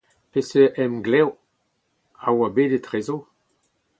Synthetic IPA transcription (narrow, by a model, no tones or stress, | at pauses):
peseʔɛmɡlɛw | awabeːdetʁeːzo